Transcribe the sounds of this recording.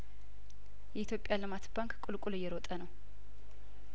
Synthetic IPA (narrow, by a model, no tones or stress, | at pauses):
jɛit̪jo̞pʼːjalɨmat̪baŋkʼkʼulkʼulɨjːɛɾot̪ʼənəw